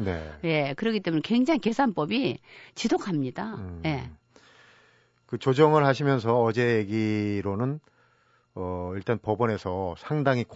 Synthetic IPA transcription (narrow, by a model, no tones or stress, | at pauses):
ne̞̰je̞kɯɾʌkit͈emunekweŋd͡ʑaŋinke̞sʰanp͈ʌbit͡ɕisokʰamɲidaje̞ | kɯt͡ɕod͡ʑʌŋɯɭɦaɕʰimjʌns̬ʰʌːd͡ʑe̞jeɡiɾonɯn | ʌiɭt͈anpʌbʌne̞sʰʌsʰaŋdaŋik